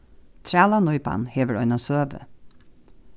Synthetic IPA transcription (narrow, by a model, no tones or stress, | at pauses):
t̪ʰɾaːlanɔʏpa̰nheːʋəɾœʏnasøːʋə̰